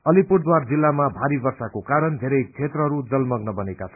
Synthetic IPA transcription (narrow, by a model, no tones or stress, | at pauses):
ʌlipurʈd̪ward͡zilːamabʱaɾibʌrsakokaɾʌnd̪ʱeɾʌjkt͡sʰet̪rʌɦʌɾud͡zʌlmʌɡnʌbʌnekat͡sʰʌn